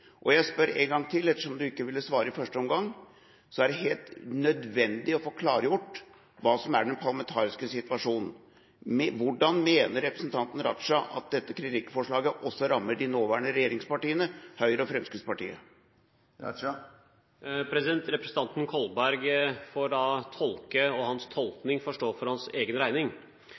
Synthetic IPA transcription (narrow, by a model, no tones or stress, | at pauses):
ʔɔjæɪspœɾæ̰ɪŋɡɑŋːt̪ʰɪlɛt̪ːə̥ʂɔmd̪ʉɪkːəʋɪlːəsʋɑːɾəɪfœʂʈəɔmɡɑŋː | sɔæɖɛɦeːlt̪nœd̪ʋɛnd̪ɪɔfoːkʰlɑːɾəjʊʈː | ʋɑːsɔmæ̰ɖɛnpʰɑɾlɑmɛnt̪ʰɑːɾɪskəsɪt̪ʋɑʂuːnn̩ | mɛʋʊɖɑnmeːnəɾɾɛpɾəsnt̪ʰɑnt̪n̩ɾɑt̪ʂɑʔɑt̪̚d̪ɛt̪ːəkʰɾɪt̪ɪkːfɔʂɭɑːɡəʔɔsːɔɾɑmːəɖɪnoːʋæːɳəɾɛjeːɾɪŋspɑʈiːənəhœʏɾəɔfɾɛmskɪspɑʈḭːə̰ | pʰɾɛsɪd̪ɛnt̪ɾɛpɾəsn̩t̪ɑnt̪n̩kʰɔlbæɾɡfoːɖɑːt̪ʰɔlkəɔhɑnst̪ʰɔlknɪŋfɔʂʈoːfɔɾhɑnseːɡənɾæɪnɪŋ